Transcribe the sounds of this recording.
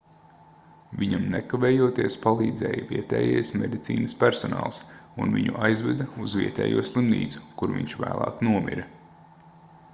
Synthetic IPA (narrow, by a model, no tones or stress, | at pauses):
vʲiɲamnɛkavɛːjuɔt̪iɛspalˠiːd̪zɛ̰ːjviɛt̪ɛːjɛjsmed̪it̪siːnɐspʲæɾsɔna̰ːlˠsunviɲuʔajzvɛd̪ɐuzviɛt̪ɛ̰ːjuɔslˠimnḭːzu̥kuɾvʲḭɲʲt͡ʃvæːlˠɑ̰ːknuɔmḭɾɐ